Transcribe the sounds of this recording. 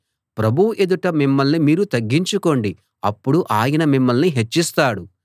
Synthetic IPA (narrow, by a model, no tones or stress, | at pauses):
pɾɐbʱuuʔe̞d̪uʈɐmimːɐlnimiːɾut̪ɐɡːiɲt͡ʃuko̞ɳɖi | ɐpːuɽuʔaːjɐnɐmimːɐlniɦe̞t͡ʃːist̪aːɽu